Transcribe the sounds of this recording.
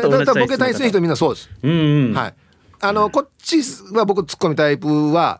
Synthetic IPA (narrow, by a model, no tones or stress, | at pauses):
t̪at̪abboket̪ãĩisɨnĩçit̪omʲĩnːaso̞ːd̪esɨ̥ha̰ḭ | ano̞ko̞t͡ɕiβabo̞kɯ̟nt͡sɨ̥kːo̞mʲit̪aipɯβa̰